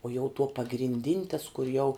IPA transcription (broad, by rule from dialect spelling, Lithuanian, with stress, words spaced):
uɔ jɛʊ tuɔ pɐɡrʲɪnʲˈdʲɪnʲ tɐs kʊr jɛʊ